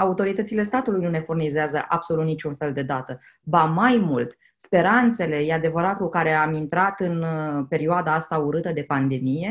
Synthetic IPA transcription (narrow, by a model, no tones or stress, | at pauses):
aut̪o̞ɾit̪ət̪sile̞st̪at̪ulujnune̞furnizeazəʔab̥so̞lut̪nit͡ʃunfe̞ld̪e̞d̪at̪ə | bamajmult̪ | spe̞ɾant̪se̞le̞jead̪e̞vəɾat̪kukaɾe̞amint̪ɾat̪ɨnpe̞ɾioad̪aast̪auɾɨt̪əd̪e̞pand̪e̞mije̞